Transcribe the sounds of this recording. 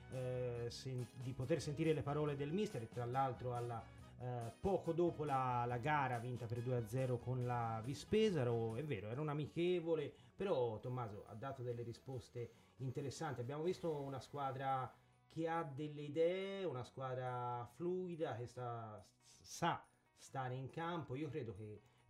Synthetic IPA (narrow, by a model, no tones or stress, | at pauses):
send̪ipot̪ersent̪iːɾelepaɾɔːled̪elmist̪eɾet̪ːɾalːalt̪ɾoalːa | pɔːkod̪oːpolalaɡaːɾavint̪aperd̪uead̪zːɛːɾokonlavispeːzaɾoɛvːɛːɾoɛːɾaunamikeːvole | peɾɔt̪omːaːzo̰a̰d̪ːaːt̪od̪elːeɾispost̪e | int̪eɾesːant̪iabːjaːmovist̪ounaskwaːd̪ɾa | k̟ʰead̪elːeid̪ɛːeunaskwaːd̪ɾafluːid̪ak̟est̪a | sa | st̪aːɾeiŋkampoiːokɾeːd̪oke